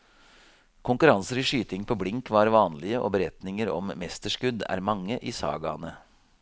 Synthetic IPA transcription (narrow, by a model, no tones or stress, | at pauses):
kʰʊŋkʉɾɑnsəɾiʂyːt̪ɪŋpʰoːblɪŋkʋɑɾʋɑːnlɪəʔo̰ːbəɾɛt̪nɪŋəɾɔ̰mːɛst̪əʂkʉd̪æ̰ːɾmɑŋːəʔiːsɑ̰ːɡɑ̰nə